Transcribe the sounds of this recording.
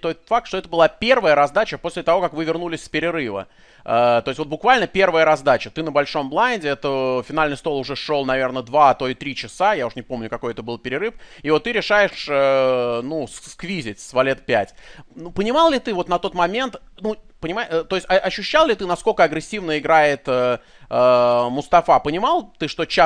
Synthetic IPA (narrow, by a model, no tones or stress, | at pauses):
t̪ojfak̚t̪ʂt̪o̞ɛt̪əbɨlˠapʲe̞rvəjəɾɐzd̪at͡ɕəposʲlʲɪt̪ɐvo̞kakvɨvʲɪrnulʲɪsʲspʲɪɾʲɪɾɨvə̰ | ət̪o̞ɪsʲtvot̪bʊkvalʲnəpʲe̞rvəjəɾɐzd̪at͡ɕət̪ɨnəbɐlʲʂo̞mblˠanʲdʲɪɛt̪əfʲɪnalʲnɨjst̪o̞lˠʊʐɛʂo̞lˠnɐvʲe̞rnəd̪vat̪o̞ɪt̪ɾʲit͡ɕɪsajaʊʂnʲɪpo̞mnʲʊkɐko̞jɛt̪əbɨlˠpʲɪɾʲɪɾɨfivo̞t̪ːɨɾʲɪʂajɪʂənusskvʲizʲɪtʲsvɐlʲet̪̚pʲætʲnupənʲɪmɑlˠlʲɪt̪ɨvo̞t̪nɐt̪o̞t̪mɐmʲent̪ | nupənʲɪmat̪o̞ɪsʲtʲɐʔɐɕːʉɕːalˠlʲɪt̪ɨnɐskolʲkəɐɡɾʲɪsʲːivnəɪɡɾajɪt̪ə | əmʊst̪ɐfapənʲɪmɑlˠt̪ɨʂt̪o̞t͡ɕa